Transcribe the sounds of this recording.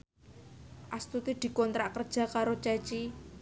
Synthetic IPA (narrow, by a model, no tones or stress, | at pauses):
ʔast̪ut̪id̪̥i̤kɔnt̪ɾaʔkərd̥ʒ̥a̤kaɾot͡ʃɛt͡ʃi